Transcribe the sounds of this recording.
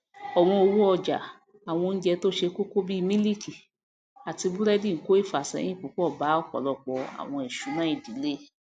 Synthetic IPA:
ɔ˨w̃ɔ̃˧o˧wu˦ɔ˧d͡ʒa̰˨ | a˨w̃ɔ̃˧n̩˦d͡ʒɛ˧to˦ʃe˧ko˦ko˦bi˦˧mĩ˦li˦˨ki˨ | a˨ti˧bu˦ɾɛ˦di˦˨˦ko˦i˦˨fa˨sɛ̰̃˨˦ĩ˦pu˨˦k͡pɔ˦˨ba˨˦ɔ˦˨kɔ̰˨lɔ˧˨k͡pɔ˧a̰˨w̃ɔ̃˧ɛ˨ʃu˨˦nã˦i˦˨di˨˦le˦˨

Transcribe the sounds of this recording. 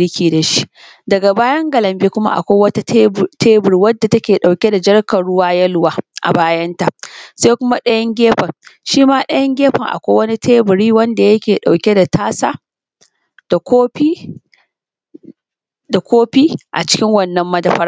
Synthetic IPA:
ɽɪ˦kʲiː˨da˨ʃi̥˦ | dɐ˨ɡa˨baː˦jɐ˦ŋɡɐ˨lɐ˨mbi˦kʷʊ˦ma̰˦ʔa̰˨kʷa˦wɐ˦ta˦tʰeː˦bɪ˨ɾi˦wɐ˦dːa˨tɐ˦kʲeː˨ɗa˨wkʲe˦da˨d͡ʒɐ˦ɽkɐ˨ɽʊ˦waː˦jɐ˦lwaː˦ʔa̰˨baː˦jɐ˦nta˨ʔseː˦kʷʊ˦ma˦ɗɐ˦jɐ˦ŋɡʲeː˦ɸɐ˨ŋʃiː˦maː˦ɗɐ˦jɐ˦ŋɡʲeː˦ɸɐ˨ŋʔa̰˨kʷaː˦wɐ˦ni˦tʰeː˦bɪ˨ɾiː˦wɐ˦nda˨jɐ˦kʲeː˨ɗa˨wkʲe˦da˨tʰaː˦saː˦ | d̥a˨kʷoː˦ɸiː˦ | da˨kʷoː˦ɸiː˦ʔa̰˨t͡ʃɪ̥˦kʲɪ˦ŋwɐ˨nːɐ˨˦mːɐ˦dɐ˨ɸɐ˦ɾ

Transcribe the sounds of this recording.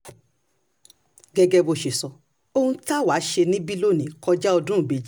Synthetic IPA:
ɡɛ˧ɡɛ˧bo˧˨ʃe˨sɔ˨ | o˧hũ˧ta˦˨wa˨˦ʃe˧nĩ˦bi˦lo˦˨nĩ˨kɔ˧d͡ʒa˦ɔ˧dũ˦ũ˨be˨d͡ʒi˨˦

